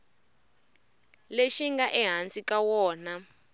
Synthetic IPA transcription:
leʃiŋɡaʔɛɦant͡sikawɔːna

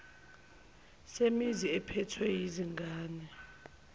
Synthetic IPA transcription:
semiziɛpʰɛtʰwɛjiziŋɡʱaːnɛ

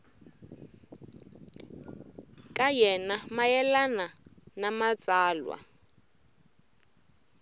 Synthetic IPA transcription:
kʼajɛnamajɛlananamat͡sʼaːlwa̰

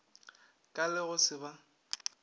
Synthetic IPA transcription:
kʼalɪɣʊsɪba

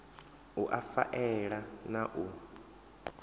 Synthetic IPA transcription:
uʔafa̰ʔɛɺanaʔu

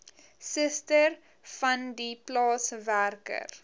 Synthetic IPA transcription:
səstər | fɐndiplɑːsværkə̰r

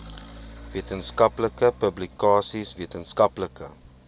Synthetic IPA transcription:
viətənskɐpləkəpəblikɑːsisviətənskɐpləkə

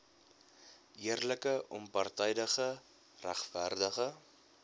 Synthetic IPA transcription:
iərləkəʔɔmpɐrtɛjdəχə | ræχfærdəχə

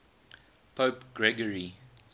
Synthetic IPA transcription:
pʰoːpɡ̥ɹɛɡəɹi

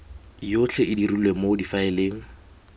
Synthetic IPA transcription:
jot͡ɬʰɛʔɪdirulwemodifaɪleːŋ̩

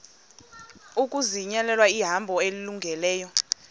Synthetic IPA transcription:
ukʼuziɲɛlɛlwaiɦambʱɔeliluŋɡʱɛlɛːjɔ

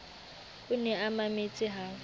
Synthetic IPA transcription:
ʊnɛamamet͡sʼɪɦaː

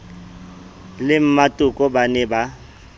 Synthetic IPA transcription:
lɪm̩matʼʊkʼɔbanɛba

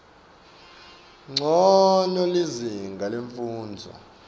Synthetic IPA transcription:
ŋ͡ǀʱɔnɔliziŋɡʱaleɱfuːnd͡zʱɔ̰

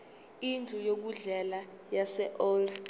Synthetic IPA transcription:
intʰujok̬uɮɛla | jasɛʔɔl

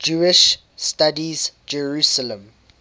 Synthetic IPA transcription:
d͡ʒuɪʃ | stadizd͡ʒɛɹusələ̃m

